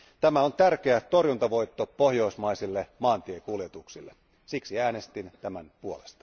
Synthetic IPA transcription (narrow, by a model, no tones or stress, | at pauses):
t̪æmæont̪ærk̟e̞æt̪o̞rjunt̪ɑʋo̞jt̪ːopo̞hjo̞ismɑisilːemɑːnt̪iekuljet̪uksilːe | siksiæːne̞st̪int̪æmænpuolest̪ɑ̥